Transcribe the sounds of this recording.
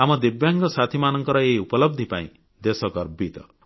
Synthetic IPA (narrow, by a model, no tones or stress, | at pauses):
amɔd̪ebjaŋɡɔsat̪ʰimanɔŋkɔɾɔeiupɔlɔb̚d̪ʱipaḭ̃ | d̪esɔkɔɾbit̪ɔ̰